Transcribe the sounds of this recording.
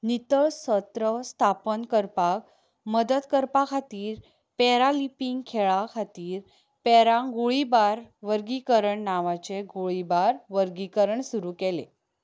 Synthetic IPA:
nit̪əɭsət̪ɾəst̪ʰapənkəɾpak | məd̪ət̪kəɾpakʰat̪iːɾ | pɛɾalipiŋɡkʰeɭakʰat̪iːɾ | pɛɾãɡoɭibaɾʋəɾɡikəɾəɳnaʋat͡ɕeɡoɭibaɾʋəɾɡikəɾəɳsuɾuːkelḛ

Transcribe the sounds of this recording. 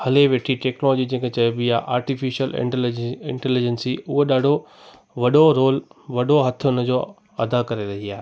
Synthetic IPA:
hɐleʋeːʈʰiʈɛːknolɔːd͡ʑid͡ʑẽːŋkʰet͡ɕɐjobɪjaʔaːɾʈifɪʃəlɪ̰ɪ̰̃ɳʈɛlɪd͡ʑənsiʊɦoɗaːɖʱo | ʋɐɗoɾoːlʋɐɗoɦɐt̪ʰʊ̆ʊnə̆d͡ʑoː | ɐd̪akɐɾeɾɐɦiaːɦe

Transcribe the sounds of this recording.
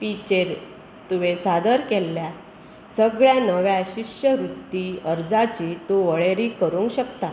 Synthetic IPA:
pit͡ɕeɾ | t̪uʋesad̪əɾkelːja | səɡɭjãnəʋjãɕiɕjəɾut̪ːiəɾd͡zat͡ɕiːt̪uʋəɭeɾiːkəɾũŋkɕəkt̪a

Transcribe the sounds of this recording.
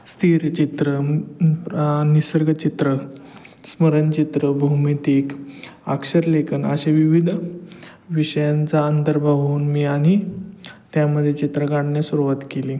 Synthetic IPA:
st̪ʰiɾt͡ɕit̪ɾə | nisəɾɡt͡ɕit̪ɾə | sməɾənt͡ɕit̪ɾəbʱumit̪ikakʂəɾlekʰənəɕeʋiʋid̪ʱ | ʋiɕəjant͡saənt̪əɾbʱaʋuːnmiːaɽ̃i | t̪jaməd̪ʱːjet͡ɕit̪ɾəɡaɽɳjasuɾuʋat̪keliː

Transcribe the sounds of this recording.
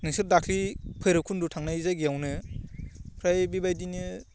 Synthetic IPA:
nɯsɯɾdakʰlipʰɯjɾɯkʰundutʰaŋnajizajɡiawnɯ | pʰɾajbibajdinɯ

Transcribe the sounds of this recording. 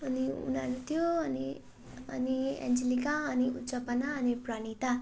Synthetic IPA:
ʌniṵnaɾut̪ʰjoʌni | ʌ̰niɛ̰̃nd͡ʒilikaʌniusʌpʌnaʌnipɾaɽ̃it̪a

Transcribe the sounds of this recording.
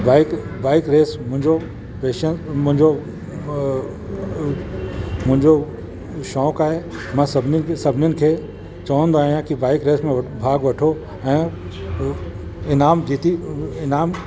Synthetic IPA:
baːɪkbaːɪkɾeːsmʊ̃ɦɪ̃ɲd͡ʑo | peːʃənmʊ̃ɦɪ̃ɲd͡ʑo | mʊ̃ɦɪ̃ɲd͡ʑo | ʃɔːkaːɦe | mãsɐbʱnsɐbʱɪnjʊnɪ̆kʰeː | t͡ɕɐʋə̃nd̪oaːɦijãkibaːɪkɾeːsmẽbʱaːɡʋɐʈʰo | ɛ̃ː | ɪnaːmd͡ʑiːt̪iɪnaːm

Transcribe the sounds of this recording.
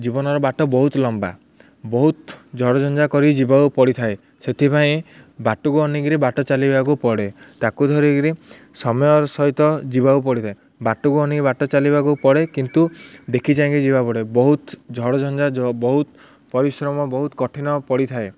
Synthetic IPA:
d͡ʒibɔnɔɾɔbaʈɔbɔɦut̪lɔmba̰ | bɔɦut̪d͡ʒʱɔɽɔd͡ʒɔnd͡ʒakɔɾid͡ʒibawpɔɽit̪ʰae | set̪ʰipaẽbaʈukuɔniɡiɾibaʈɔt͡ʃalibakupɔɽet̪akud̪ʱɔɾiɡiɾisɔmɔjɔɾɔsɔɦit̪ɔd͡ʒibawp̬ɔɽit̪ʰae | baʈukuɔnikibaʈɔt͡ʃalibakupɔɽekint̪ud̪ekʰit͡ʃãŋk̬id͡ʒibapɔɽebɔɦut̪d͡ʒʱɔɽɔd͡ʒɔnd͡ʒabɔɦut̪ | pɔɾisɾɔmɔbɔɦut̪kɔʈʰinɔpɔɽit̪ʰae

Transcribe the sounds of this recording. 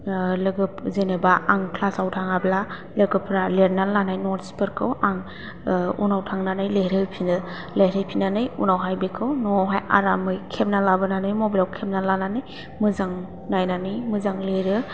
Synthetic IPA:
lɯɡɯpzenebaaŋkʰlasawtʰaŋabla | lɯɡɯpʰɾaleɾnalanajnɔɾsi̥pʰɯɾkʰɯwaŋ | ṵnawtʰaŋnanɯjleɾɯpʰinɯ | leɾɯjpʰinanɯjunawɦajbekʰɯwnɔwɦaja̰ɾamɯjkʰep̚nalabɯnanɯjmobilawkʰep̚nalananɯj | mɯzaŋ | najnanɯjmɯzaŋleɾɯ

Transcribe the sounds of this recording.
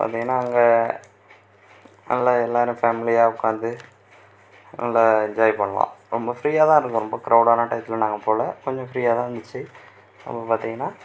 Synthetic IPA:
pa̰ːɾt̪ĩːŋɡɐnːaːɐŋɡɐ | nɐ̰lːɐɛlːaːɪɾʊ̃fɛːmɪlɪjaːʊkːaːnd̪ɯ | nɐ̰lːɐɛɲd͡ʒaːjipɐɳːɐʋã̰ːɾɔmbɐfɪɾiːaːt̪ãːɪɾɯkːʊ̃ɾɔmbɐkɾʔɐʊɽaːnɐʈɐɪt̪ːɪlɐnaːŋɡɐpːoːlɐkɔɲd͡ʒɔ̃fɪɾiːjaːt̪ãːɐnd̪ɯt͡ʃːɯ | ɐ̰pːɐpaːɾt̪ĩŋɡɐnːaː

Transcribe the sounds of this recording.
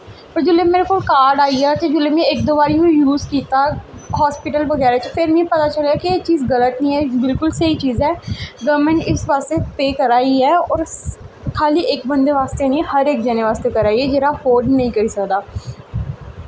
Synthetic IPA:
pəɾd͡ʒʊleːmeːɾekoːlkaːɾɖaːiaːt̪ed͡ʒʊlːeːmẽek̚d̪oːbaːɾiɦojuːzkiːt̪aːɦɔːspɪʈəlbəɡɛːɾat͡ʃpʰɪɾmĩpət̪aːt͡ʃəlaːkieːt͡ʃiːzɡələt̪nĩːɦɛːbɪlkʊlsəiːt͡ʃiːzɛːɡəːɾmẽɳʈɪsʋaːst̪epeːkəɾaːiɦɛːɔːɾ | kʰaːliʔeːkbə̃nd̪eʋaːst̪enĩhəɾeːk̚d͡ʒɛːneʋaːst̪ekəɾaːiɛd͡ʒeːɾafoːɖnɐɦĩːkəɾiːsəkd̪aː

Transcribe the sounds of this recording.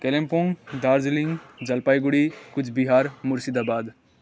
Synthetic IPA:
kelempõːŋɡd̪aːɾd͡ʒlɪ̃ŋɡd͡ʒɐlpaːiɡʊɽikʊt͡ʃʰbiɦaːɾmʊɾsid̪aːbaːd̪

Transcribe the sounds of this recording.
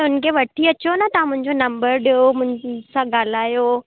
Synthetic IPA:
ɦʊnkʰeʋɐʈʰiɐt͡ɕonat̪ɐʋãmʊ̃ɦɪ̃ɲd͡ʑonɐ̃mbəɾɗijomʊ̃ɪ̃sãɠaːl̤aːjo

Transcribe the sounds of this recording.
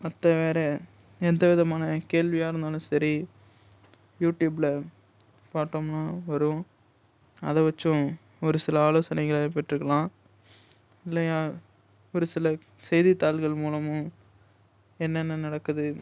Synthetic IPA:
ɐt̪ːɐʋeːɾɛ | ɛnd̪ɐʋɪðɐmaːnɐkeːlʋɪjaːɪɾɯnd̪aːlʊ̃sɐɾi | juːʈjuːbɪlɐ | paːʈːoːmnaːʋɐɾʊ̃ | ɐ̰ðɐʋɐt͡ʃːʊ̃ | ɔɾɯsɪlɐaːloːsɐnɐɪɣɐɭpɐʈːɾɯkːɐɭãː | ɪlːɐjaː | ɔɾɯsɪlɐ | sɛjðit̪ːaːlɣɐɭmuːlɐmʊ̃ | ɛnːɛnːɐnɐɽɐkːɯðɯ

